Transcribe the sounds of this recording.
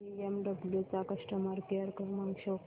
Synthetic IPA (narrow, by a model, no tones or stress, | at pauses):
iemɖəbljut͡sakəʂʈəmaɾkəɾkəɾmaŋɡɕo